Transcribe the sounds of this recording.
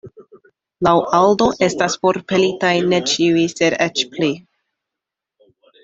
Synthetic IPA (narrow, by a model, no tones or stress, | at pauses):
lawʔaldo̞ʔe̞staspo̞ɾpe̞litajne̞t͡ʃiuise̞ɾet͡ʃpli